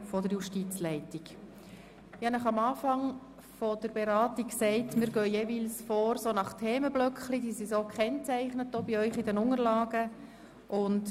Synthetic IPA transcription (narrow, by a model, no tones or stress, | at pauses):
fɔdəɾjuʃtiːt͡slɛɪtiɡ̥ | jɑnæχɑmɑːfɑŋ | fɔd̥əɾbeɾɑːtiksɛɪtmɪːɾɡœjeːʋiːlsfoːɾsoːnɑχtʰɛːməb̥lœkχlidiːsisoːkʰχɛnt͡sæɪχnətdoːbiœʏχidɛnʊŋəɾlɑːɡ̥ə | ʔʊnt